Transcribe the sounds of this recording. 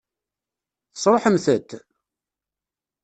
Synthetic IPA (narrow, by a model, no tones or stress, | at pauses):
θə̥sˤɾˤoħəmθət̪ː